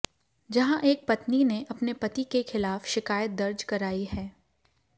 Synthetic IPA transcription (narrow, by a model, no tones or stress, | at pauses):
d͡ʒɐɦãʔeːk̚pɐt̪nineʔɐpnepɐt̪ikexɪlaːfʃɪkaːjət̪̚d̪ɐɾd͡ʒkɐɾaːiɦɛː